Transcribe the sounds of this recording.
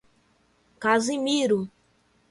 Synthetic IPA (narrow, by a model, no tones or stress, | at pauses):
kazimiɾu